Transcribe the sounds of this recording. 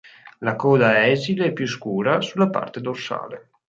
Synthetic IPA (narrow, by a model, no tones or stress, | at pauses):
lakɔːd̪aɛːzileɛpːjuskuːɾasulːapa̰rt̪ed̪orsa̰ːle